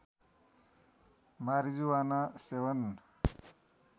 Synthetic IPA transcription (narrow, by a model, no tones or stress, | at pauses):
maɾid͡zuwanasewʌn